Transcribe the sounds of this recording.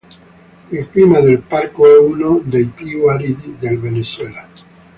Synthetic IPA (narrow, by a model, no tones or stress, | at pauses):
elklimaðelpaɾkoɛunod̪ejpiwaɾiðiðelβeneswela